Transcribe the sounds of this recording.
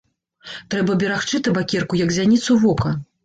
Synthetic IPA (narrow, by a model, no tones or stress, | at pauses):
t̪ɾɛbɐbʲɛɾaxt͡ʂɨt̪ɨbakʲɛrkujɐkzʲanʲit̪suvɔkɐ